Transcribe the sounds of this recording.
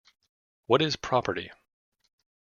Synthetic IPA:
wʌɾɪz̥pʰɹ̥ɑpə˞ɾḭ

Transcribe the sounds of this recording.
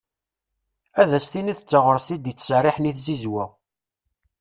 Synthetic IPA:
æðæst̪iniθət͡sːəʁəɾˤsid̪jət͡sːsriħniθzizwæ

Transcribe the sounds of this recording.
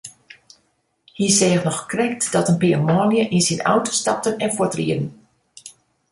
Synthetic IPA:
hisɛːxnɔxkrɛk̚tdɔtənpiəmɔːnjəʔinsina̰wtə̥stɑp̚tənɛnfʊtrḭədən̩

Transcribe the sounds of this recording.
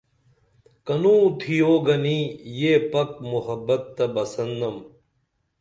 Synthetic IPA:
kɐnũːt̪ʰijoɡɐnijepɐk̚muɦɐbɐt̪ːɐbɐsɐnd̪ɐm

